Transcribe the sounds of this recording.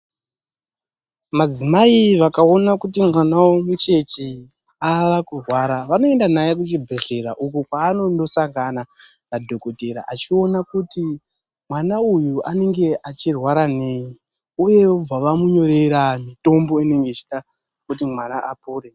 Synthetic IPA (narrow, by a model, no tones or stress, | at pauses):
mad͡zimaiʋakao̞nakutimwanawomut͡ʃe̞t͡ʃi | aʋakurwaɾaʋano̞e̞ndanajek̬ut͡ʃibʱeɬe̞ɾaʔukukwaːno̞ndo̞saŋɡana | nadʱo̞koteɾa̰ʔat͡ʃio̞nakuti | mwanaujuane̞ŋɡe̞ʔat͡ʃirwaɾane̞ji | uje̞ob͡vaʋamuɲoɾeɾamito̞mbo̞ine̞ŋɡet͡ʃiɗa | kut̬imwanaapuːre